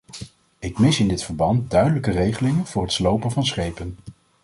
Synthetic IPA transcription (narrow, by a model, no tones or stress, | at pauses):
ɪkmɪsɪndɪtfəɹbɑntdœɥdələkərejχəlɪŋənv̥ʊːɹrɦətslowpənvɑnsχejpən